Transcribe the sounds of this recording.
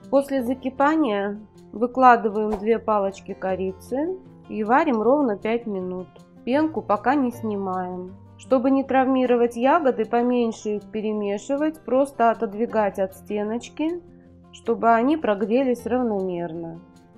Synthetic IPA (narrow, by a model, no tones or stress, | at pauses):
po̞sʲlʲɪzəkʲɪpanʲɪjə | vɨklˠad̪ɨvəjɪmd̪vʲe̞palˠət͡ɕkʲɪkɐɾʲitt̪sɨ | ivaɾʲɪmro̞vnəpʲætʲmʲɪnut̪̚ | pʲenkʊpɐkanʲɪsʲnʲɪmajɪm | ʂt̪o̞bɨnʲɪt̪ɾɐvmʲiɾəvətʲjaɡəd̪ɨpɐmʲenʲʂɨixpʲɪɾʲɪmʲeʂɨvətʲpɾo̞st̪əɐt̪əd̪vʲɪɡatʲɐt̪sʲtʲe̞nət͡ɕkʲɪ | ʂt̪o̞bɨɐnʲipɾɐɡɾʲelʲɪsʲrəvnɐmʲe̞rnə